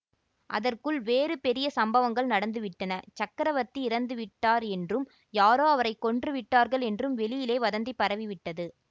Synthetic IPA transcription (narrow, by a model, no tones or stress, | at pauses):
ʔɐ̰ðɐrkɯɭʋeːɾɯpɛɾɪjɐsɐmbɐʋɐŋɡɐɭnɐɽɐnd̪ɯʋɪʈːɐnɐt͡ʃɐkːɐɾɐʋɐt̪ːiɪɾɐnd̪ɯʋɪʈːaːɾɛndrɯm | jaːɾoːɐʋɐɾɐɪkːɔɳdrɯʋɪʈːaːɾɣɐɭɛndrɯmʋɛɭɪjɪleːʋɐðɐnd̪ipːɐɾɐʋiʋɪʈːɐðɯ